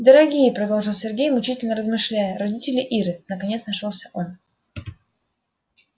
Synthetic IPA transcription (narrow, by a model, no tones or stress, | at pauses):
d̪əɾɐɡʲijəpɾɐd̪o̞lˠʐɨlˠsʲɪrɡʲejmʊt͡ɕitʲɪlʲnəɾəzmɨʂlʲæjəɾɐdʲitʲɪlʲɪʔiɾɨnəkɐnʲet̪snɐʂolˠsʲəʔo̞n